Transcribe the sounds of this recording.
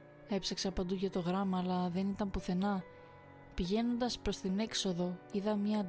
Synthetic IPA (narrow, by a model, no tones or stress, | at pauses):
e̞psɐksɐpɐnd̪uʝɐt̪o̞ɣɾɐmɐːlɐðe̞nit̪ɐmpuθe̞nɐ | piʝe̞no̞nd̪ɐspɾo̞st̪ine̞kso̞ðo̞iðɐmɲɐ